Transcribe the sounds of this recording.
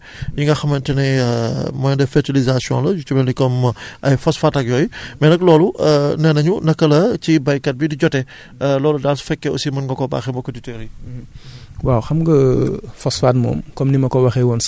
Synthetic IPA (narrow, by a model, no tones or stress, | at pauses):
jiŋɡɐxɐmɐntɛnɛjmɔjndɛfɛɾtilizasjɔ̰̃ːnlɐd͡ʒut͡ʃːumɛlikɔmɐjfɔsfaːtɐk̚jɔːjmɛnɐklɔːlunɛnɐɲunɐkːɐlɐcibɐjkɐt̚bidiɟɔtɛ | lɔːludaːlsfɛkːɛɔ̰simɐnŋɡɐkɔba̰ːxɛmbɔkːɔditɛːɾi | waːwxɐmɡɐfɔsfatmɔ̰ːmkɔmnimɐkɔwɐxɛwɔns